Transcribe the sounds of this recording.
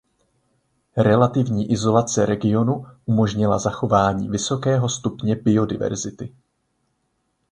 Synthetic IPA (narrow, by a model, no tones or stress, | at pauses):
ɾɛlat̪ɪvɲiːʔɪzo̞lat͡sɛɾɛɡɪo̞nuʔumo̞ʒɲɪlazaxo̞vaːɲḭːvɪso̞kɛːɦo̞st̪upɲɛbɪo̞dɪ̰vɛ̰ɾzɪt̪ɪ